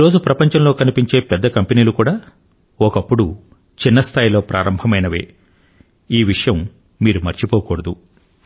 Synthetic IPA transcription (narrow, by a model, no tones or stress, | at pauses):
iɾo̞ːd͡ʒupɾɐpɐɲt͡ʃɐmlo̞ːkɐnipiɲt͡ʃe̞ːpɛd̪ːɐkɐmpeniːlukuːɽaː | ɔkɐpːuɽu | t͡ʃinːɐst̪ʰaːjlo̞ːpɾʔaːɾɐmbʱɐmɐjnɐʋe̞̰ː | iːʋiʂɐjɐmː | iːɾumɐɾt͡ʃipɔːkɔːɽɐd̪u